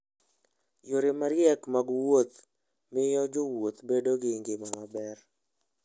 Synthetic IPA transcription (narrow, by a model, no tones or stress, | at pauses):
joɾɪmaɾɪjɛkmaɡwot̪ | mɪjɔd͡ʒowot̪bedoɡɪŋɡɪmamabɛr